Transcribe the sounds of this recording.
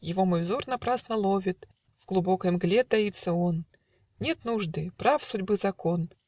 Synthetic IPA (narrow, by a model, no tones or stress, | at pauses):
jɪvo̞mojzornɐpɾasnəlˠovʲɪt̪ | vɡlˠʊbo̞kəjmɡlʲet̪ɐit̪sːəon | nʲe̞t̪nuʐd̪ɨpɾafsʊdʲbɨzɐkon